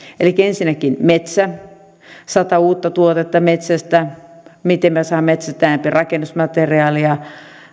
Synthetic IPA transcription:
elikːæensinːˑækinmet̪sæ | sɑt̪ɑuːt̪ːɑt̪uot̪et̪ːɑmet̪sæst̪æmit̪emmæsɑːmmet̪sæt̪æːmpirɑkenːusmɑt̪eriɑːliɑ

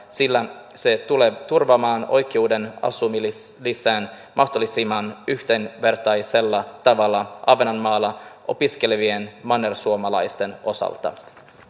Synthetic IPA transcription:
silːæ | se̞t̪uleːt̪urʋɑmɑːno̞̰jk̟euːde̞nɑ̰sumilliseːn | mʔɑht̪olːisimɑnyht̪enʋe̞rt̪ɑjselːɑt̪ɑʋɑlːɑʔɑʋenɑnmɑːlːɑʔo̞̰piske̞leʋienmɑnersuomɑlɑ̰jst̪e̞no̞sɑ̰lt̪ɑ̰

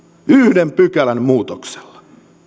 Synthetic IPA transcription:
yhdempykælænmuːt̪okse̥lːɑ̥

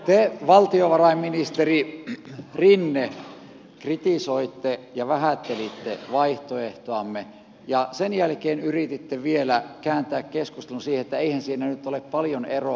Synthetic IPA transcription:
t̪eʋɑlt̪ioʋɑrɑimminist̪eri | rinːe | krit̪isoit̪ːejɑʋæhæt̪ːelit̪ːeʋɑiht̪oeht̪oɑmːe | jɑsenjælkeːnyrit̪it̪ːeʋielækæːnt̪æːkkeskust̪elunsiːhet̪ːæeihænsiːnænyt̪ːoleppɑljonero

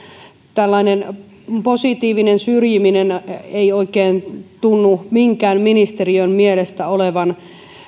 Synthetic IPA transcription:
t̪ælːɑinen | posit̪iːʋinensyrjimineneioikˑeːnt̪unːumiŋkæːmminist̪eriønmielest̪æoleʋɑn

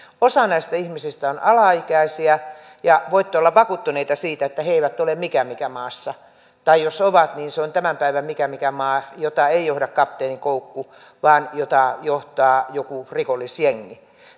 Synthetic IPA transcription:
osɑnæist̪æihmisist̪æonʔɑlɑikæisiæ | jɑʋoit̪ːeolːɑʋʋɑkut̪ːuneit̪ɑsiːt̪æet̪ːæheeiʋæt̪ːolemmikæmikæmɑːsːɑ | t̪ɑijosoʋɑt̪niːnseont̪æmæmpæiʋæmmikæmikæmɑːjot̪ɑeijohdɑkkɑp̪ːeːnikoukːu | ʋɑːnjot̪ɑjoht̪ɑːjokurikolːisjeŋːi

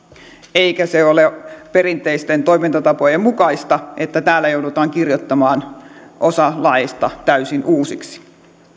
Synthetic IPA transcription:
eikæseoleperint̪ˑeist̪ent̪oimint̪ɑt̪ɑpojemmukɑist̪ɑʔet̪ːæt̪æːlːæjoudut̪ɑːŋkirjot̪ːɑmɑːnʔosɑlɑest̪ɑt̪æysinʔuːsiksi̥

